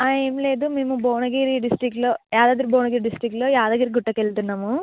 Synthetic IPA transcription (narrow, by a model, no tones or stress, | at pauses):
aemleːd̪umimuboːɳɐɡiːɾiɖisʈɾikːlojaːd̪aːd̪ɾuboːɳɐɡiːɾiɖisʈɾikːʈlojaːd̪aːɡiɾiɡuʈːɐkːelt̪unːamu